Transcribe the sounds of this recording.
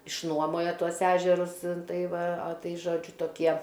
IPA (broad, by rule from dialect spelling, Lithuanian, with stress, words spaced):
ɪʃˈnuɔmoːjoː ˈtuɔs ˈæːʒʲɛrʊs ˈtɐɪ ˈʋɐ ɐ ˈtɐɪ ˈʒoːd͡ʒʲʊ toːˈkʲiɛ